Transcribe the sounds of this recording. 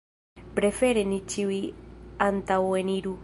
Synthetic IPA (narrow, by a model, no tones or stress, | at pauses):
pɾefeɾenit͡ʃiwiant̪aweniɾu